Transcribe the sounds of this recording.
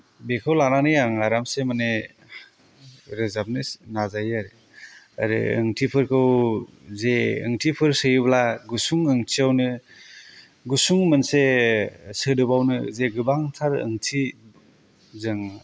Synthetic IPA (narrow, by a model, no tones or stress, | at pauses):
bekʰɯwlananɯjaŋaɾamsemane | ɾɯzap̚nɯnazajaɾɯ | a̰ɾɯ̰ɯ̰ŋtʰipʰɯɾkʰɯwzeɯ̰ŋtʰipʰɯɾsɯjblaɡusuŋɯŋtʰiawnɯ | ɡusuŋmɯnse | sɯdɯbawnɯzeɡɯbaŋtʰaɾɯ̰ŋtʰi | zɯŋ